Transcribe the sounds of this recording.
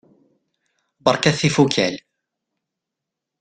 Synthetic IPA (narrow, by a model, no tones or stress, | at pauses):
bɑɾˤkæθifukʰæ̰l